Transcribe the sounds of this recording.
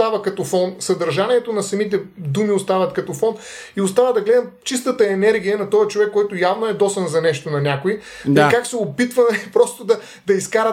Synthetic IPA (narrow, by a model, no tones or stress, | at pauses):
avɐkɐt̪ofɔnsɐd̪ɐɾʒaniɛt̪onɐsɐmit̪̬ɛd̪umiost̪avɐt̪kɐt̪ofɔn | iʊst̪avɐd̪ɐɡlɛd̪ɐmt͡ʃis̬t̪ət̪əɛnɛɾɡʲijənɐt̪ɔjət͡ʃovɛkːɔjt̪ʊjavnoɛd̪ɔsɐnzɐnɛʃt̪onɐnʲakʊikaksɛopit̪vɐmɛpɾɔst̪ʊd̪ɐ | d̪ɐiskaɾə